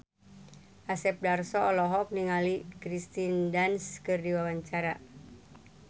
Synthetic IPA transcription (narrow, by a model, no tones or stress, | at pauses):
ʔasɛp̚darsɔɔlɔɦɔk̚niŋalikɾist̪indanskɨrdiwawaɲt͡ʃaɾa